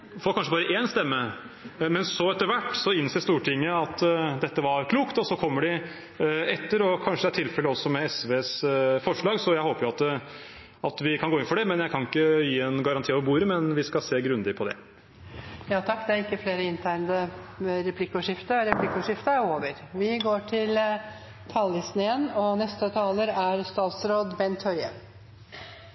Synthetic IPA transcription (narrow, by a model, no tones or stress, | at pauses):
fɔɾkʰɑnʂəbɑːɾəʔeːnst̪ɛmːə | mɛnsɔɛt̪ːəɾʋæʈːsɔɪnseːst̪uːʈʰɪŋːəɑt̪ːd̪ɛt̪ːəʋɑɾkʰluːkt̪ɔsɔkʰɔmːəɖɪ | ɛt̪ːəɾɔkʰɑnʂəd̪ɛæʈ̪ʰɪlfɛlːəɔsːɔmɛɛsʋeːsfɔʂɭɑːɡsɔjæɪhoːpəjʊɑt̪ | ɑt̪ʋɪkʰɑnɡoːɪnfɔɖɛmɛnjæɪkʰɑnɪkːəjiːɛnɡɑɾɑnt̪iːɑʋɾbuːɾəmɛnʋɪskɑseːɡɾʉnd̪ɪpʰɔd̪ɛ̰ | jɑːt̪ʰɑkːd̪ɛæɾɪkːəfleːɾəɪnt̪ʰæɪnd̪ə | ɾɛpʰlɪkːʊʂɪft̪əɾɛpʰlɪkːʊʂɪft̪əæɾoːʋəɾʋɪɡoːʈʰɪl | t̪ʰɑːlːɪsnɪənɔnɛst̪ət̪ʰɑːləɾæɾst̪ɑːt̪sɾoːd̪bɛnt̪ʰhœɾjə̰